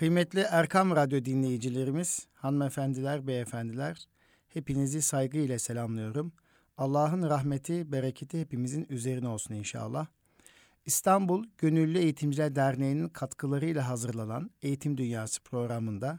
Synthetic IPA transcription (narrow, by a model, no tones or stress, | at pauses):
kʰɯjmɛt̪lʲiʔæɾkʰamɾad̪jo̞d̪inlʲe̞jid͡ʒilʲe̞ɾimiz̥hanɯmefænd̪ilʲæɾbɛːfænd̪ilʲæɾ̥ | he̞pinizisajɡɯilʲɛselʲamlˠɯjo̞ɾum | alˠːaːɦɯnɾaɦmet̪ʰibeɾecʰet̪ʰihe̞pimizinyze̞ɾinio̞lˠsuninʃa̰ːlˠːah | ist̪ʰambulˠɟø̞nylʲːye̞jit̪ʰimd͡ʒilʲæɾd̪æɾnejininkʰat̪kʰɯlˠaɾɯjlʲˠaɦazɯɾlˠanane̞jit̪ʰimd̪ynjaːsɯ̥pʰɾo̞ɡɾamɯnd̪a